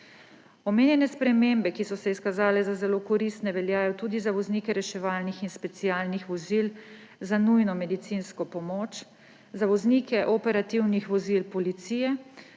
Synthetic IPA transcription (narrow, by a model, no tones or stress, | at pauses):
ɔmeːnjɛnɛspɾɛmembɛkisɔsɛiskazaːlɛzazɛloːkɔɾist̪nɛʋɛljaːjɔt̪uːd̪izaʋɔznikɛɾɛʃɛʋaːlnixinspɛt̪siaːlnixʋɔzil | zanujnɔmɛd̪it̪sinskɔpɔmoːt͡ʃ | zaʋɔzniːkɛʔɔpɛɾat̪iwnixʋɔzilpɔlit̪siːjɛ